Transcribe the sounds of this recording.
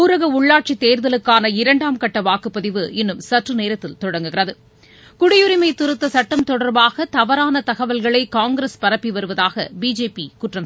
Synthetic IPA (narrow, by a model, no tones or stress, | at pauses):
uːɾɐɣɐʊɭːaːʈ̚t͡ʃit̪ːeːɾðɐlɯkːaːnɐɪɾɐɳɖaːmkɐʈːɐʋaːkɯpːɐðɪʋɯɛnːɯmsɐʈrɯneːɾɐt̪ːɪlt̪ɔɽɐŋɡɯɣɪrɐðɯ | kʊɽɪjɯɾɪmɐɪt̪ːʊɾɯt̪ːɐsɐʈːɐmt̪ɔɽɐɾbaːɣɐt̪ɐʋɐɾaːnɐt̪ɐɣɐʋɐlɣɐɭɐɪkaːŋɡɪɾɐspɐɾɐpːiʋɐɾɯʋɐðaːɣɐ̰biːd͡ʒeːpikuʈrɐm